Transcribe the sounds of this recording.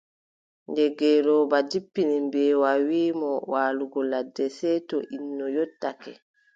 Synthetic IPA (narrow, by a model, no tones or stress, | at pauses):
ndɛɡɛːɾɔbad͡ʒipːinimbɛːwawiːmɔwaːluɡɔladːɛsɛtɔʔinːɔjɔtːakɛ̰